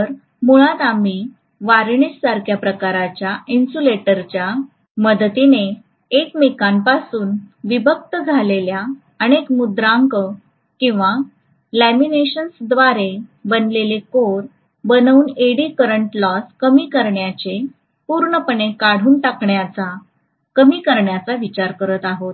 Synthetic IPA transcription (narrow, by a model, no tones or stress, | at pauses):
əɾ | muɭat̪ami | ʋaɾɳissaɾkʰjapɾəkaɾat͡ɕjaʔinsuleʈəɾt͡ɕja | məd̪t̪ineː | kmikanpasuːnʋibʱək̚t̪əd͡zʱalelja | əñekmud̪ɾãŋkə | kĩw̃ʋa | læmineɕənsd̪ʋaɾebənlelekoɾ | bənəuːneɽikəɾəɳʈlɔskəmiːkəɾɳjat͡ɕe | puɾɳəpəɳekaɽ̤uːnʈ̪akɳjat͡sa | kəmiːkəɾɳjat͡saʋit͡ɕaɾkəɾət̪aɦot̪̚